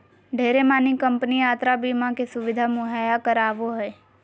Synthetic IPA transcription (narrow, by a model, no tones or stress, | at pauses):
ɖʱeɾemãnikəmpnijaːt̪ɾabimãkesʊʋɪd̪ʱamũɦajakəɾaːʋoɦe